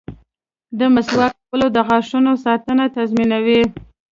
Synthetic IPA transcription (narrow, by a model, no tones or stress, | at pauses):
d̪əmaswɑkpəlod̪əɣɑʂunosɑt̪ənat̪azminawi